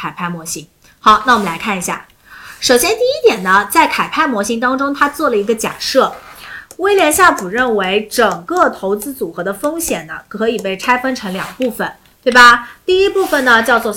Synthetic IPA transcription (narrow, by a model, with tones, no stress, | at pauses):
a˨˩ɪpʰa˥˩ɪmwɔ˧˥ɕi˧˥ŋ | xɑ˧˥˦ʊna˥˩wɔ˨mə˩la˧˥ɪkʰa˥˩ni˧˥ɕja̰˥˩ | ʂo˨˩ʊɕjɛ˥nt̪i˥˩i˥t̪jɛ˨˩nnə˦t͡sa˥˩ɪkʰa˨˩ɪpʰa˥˩ɪmwɔ˧˥ɕi˧˥ŋt̪ɑ˥ŋʈ͡ʂʊ˥ŋt̪ʰa˥t͡swɔ˥˩lə˩i˧˥ɡə˧t͡ɕja̰˨˩ʂɤ˥˩we˥ɪljɛ˧˥nɕja˥˩pu˨˩ɻə˥˩nwe˧˥ɪʈ͡ʂɤ˨˩ŋkɤ˥˩t̪ʰo˧˥ʊt͡sɹ̩˥t͡su˨˩xɤ˧˥d̪ə˧fɤ˥ŋɕjɛ˨˩nnə˦kʰɤ˧˥i˨˩pe˥˩ɪʈ͡ʂʰa˥ɪfə˥nʈ͡ʂʰɤ˧˥ŋljɑ̰˨˩ŋɡpu˥˩fə˩n | t̪we˥˩ɪba˩t̪i˥˩i˥pu˥˩fə˩nə˩t͡ɕjɑ˥˧ʊt͡swɔ˥˧˩